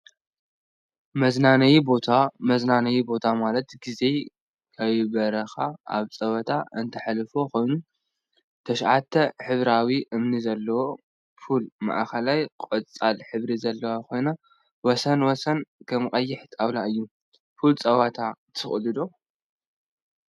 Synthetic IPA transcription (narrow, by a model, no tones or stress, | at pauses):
mɐznanɐjibot̪ʰamɐznanɐjibo̞t̪ʰamalɐt̪ɡize̞ | kʰaββɐɾɐxaʔa̰βt͡sʼɐwɐt̪ʰaɨnt̪ʰɐħalɨfo̞kʰo̞jnu | t̪ʰɐʃʕat̪ʰːɐħɨβɾawiʔɨmnizɐlːɐwo̞ | fulma̰ʔxɐlajkʼɐt͡sʼalħɨβɾizɐlːɐwakʰo̞jna | wɔsɐnwɔsɐnkʰɐmkʼɐjːɪħt̪ʰʼaβlaʔɨjːu | fult͡sʼɐwat̪ʰat̪ʰɨxʼlɨd̪o̞